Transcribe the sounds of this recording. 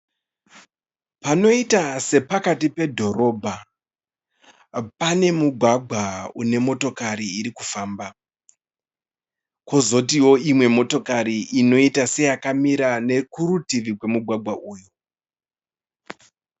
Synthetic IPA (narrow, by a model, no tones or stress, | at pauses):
pano̞itase̞pakatipe̞dʱo̞ɾo̞bʱa | pane̞muɡʱwaɡʱwaune̞mo̞to̞kaɾiiɾikufaːmba | kozo̞tiwo̞imwe̞mo̞to̞kaɾiʔino̞itase̞jakamiɾane̞kuɾutiʋikwe̞muɡʱwaɡʱwaʔuːju